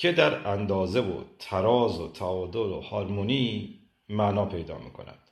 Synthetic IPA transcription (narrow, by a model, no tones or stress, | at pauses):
cʰe̞d̪æɾænd̪ɒːze̞vo̰t̪ʰæɾɒːzot̪ʰæɒːd̪olo̰hɒːɾmuniː | mænɒːpʰe̞jd̪ɒ̰ːmḭːkʰo̞̰næ̰d̪̥